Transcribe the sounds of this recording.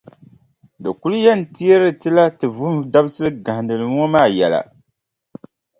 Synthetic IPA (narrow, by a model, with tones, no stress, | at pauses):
dɨ˨ku˦ljɛ˦˨n̩˨ti˦e˦ɾɨ˨tɨ˦la˦tɨ˨vʊ˦mda˦bsɨ˦ɨ˦ɡa˨dɨ˨lɨ˨ŋ˦ɔ˦maː˦˨jɛ˨la̰˨